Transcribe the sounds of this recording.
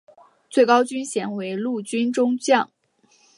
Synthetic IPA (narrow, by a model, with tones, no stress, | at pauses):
t͡swe˥˩ɪkɑ˥ʊt͡ɕy˥nɕjɛ˨˩nwe˧˥ɪlu˥˩t͡ɕy˥nʈ͡ʂʊ˥ŋt͡ɕjɑ˥˩ŋ